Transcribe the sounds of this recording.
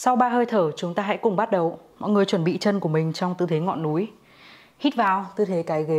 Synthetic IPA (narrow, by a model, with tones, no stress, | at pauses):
sa˧wɓaː˧ɦəː˧jt̪ʰəː˧˩t͡ɕʊ˨˦ŋ͡mt̪aː˧ɦa̰˧˥jkʊ˨˩ŋ͡mɓa˦˥t̚ɗə˨˩wmɔ̰˧˨jŋɨ˨˩əjt͡ɕwə˧˩nɓḭ˧˨t͡ɕə˧nku˧˩əmï˨˩ŋ̟t͡ɕɔ˧wŋ͡mt̪ɨ̰˧˨t̪ʰe˨˦ŋɔ̰˧˨nːu˨˦j | hi˦˥t̚vaː˨˩wt̪ɨ˧˩t̪ʰe˨˦kaː˨˦jɣe˨˦